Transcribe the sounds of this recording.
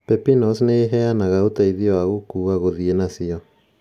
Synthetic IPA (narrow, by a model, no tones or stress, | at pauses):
pɛpinɔsneɦɛanaɣaotaiðiɔaɣokuːɣaɣoðienasiɔ